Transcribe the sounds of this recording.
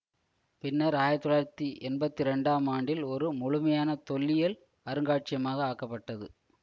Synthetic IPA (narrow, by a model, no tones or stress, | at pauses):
pɪnːɐɾaːjɐt̪ːɔɭaːɾt̪ːiʔɛnbɐt̪ːiɾɛɳɖaːmaːɳɖɪlɔɾɯmʊɻʊmɐjaːnɐt̪ɔlːɪjɐl | ɐɾɯŋɡaːʈ̚t͡ʃɪjɐmaːɣɐaːkːɐpːɐʈːɐðɯ